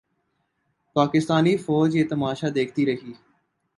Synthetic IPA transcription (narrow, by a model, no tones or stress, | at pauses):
paːkɪst̪aːniːfɔːd͡ʒeːt̪əmaːʃaːd̪eːkʰt̪iːɾəɦiː